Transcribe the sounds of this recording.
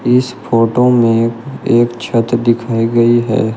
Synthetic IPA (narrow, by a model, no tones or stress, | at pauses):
ɪspʰoːʈomẽeːkt͡ʃʰɐt̪d̪ɪkʰaːiɡɐiɦɛ̰ː